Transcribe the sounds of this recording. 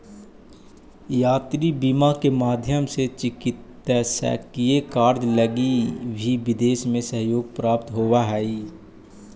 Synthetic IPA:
jaːt̪ɾibimakemaːd̪ʱjəmset͡ʃɪkɪt̪ːɛsɛ̰ːkijekaːɾd̪ləɡibʱiʋɪd̪eːʃmẽsəɦjoːɡ̚pɾaːpt̪ɦoːʋaɦɛi

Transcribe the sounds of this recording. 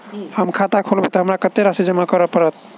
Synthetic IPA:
həmkʰat̪akʰolbet̪ɔɦəmɾakət̪ːeɾasid͡ʒəmakəɾəpəɾət̪̚

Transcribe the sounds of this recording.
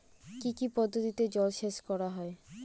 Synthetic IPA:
kikipɔd̪ʱːot̪it̪ed͡ʑɔlʃeʃkɔɾaɦɔe

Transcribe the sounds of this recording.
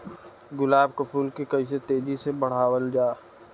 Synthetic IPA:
ɡʊlaːbkɐpʰuːlkekɐis̬et̪eːd͡ʒisebɐɽ̤aːwəld͡ʒaː

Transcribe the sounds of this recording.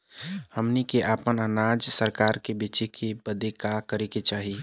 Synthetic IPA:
həmnikeʔapənənad͡ʒsəɾkaɾkebit͡ʃekʰebəd̪ekakəɾeket͡ʃaːɦi

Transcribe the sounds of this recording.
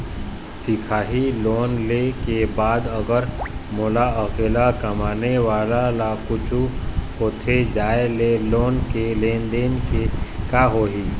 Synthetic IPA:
t̪ɪkʰaːɦiloːnlekebaːd̪ɐɡəɾmʊlaəkelakɐmaːneʋaːlalakʊt͡ʃʰuhoːt̪ʰed͡ʒaːeleloːnkelẽːnd̪eːnkekaːɦoːɦiː

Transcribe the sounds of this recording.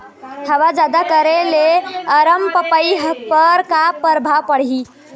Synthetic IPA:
həβad͡ʒad̪akəɾeleəɾəmpəpəjɦpəɾkapəɾbʱapəɽ̤i

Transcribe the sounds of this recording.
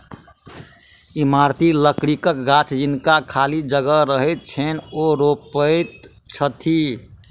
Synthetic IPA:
imaɾt̪iləkɽikəkɡat͡ʃʰd͡ʒinkakʰalid͡ʒəɡəɾəɦɛt̪̚t͡ʃʰenoɾopət̪ | t͡ʃʰət̪ʰi

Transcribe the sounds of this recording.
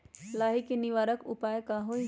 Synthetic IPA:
laːɦikeniʋaːɾəkṵpaːjkaɦo

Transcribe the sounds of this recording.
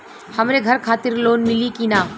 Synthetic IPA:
həmɾeɡʱəɾkʰaːt̪ɪɾloːnmɪlikinaː

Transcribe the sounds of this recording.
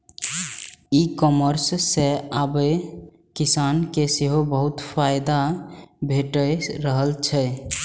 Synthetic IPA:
ikɔməɾsːeabə | kisankeseɦobəɦut̪pʰajd̪abʱeʈəɾəɦəlt͡ʃʰɛ

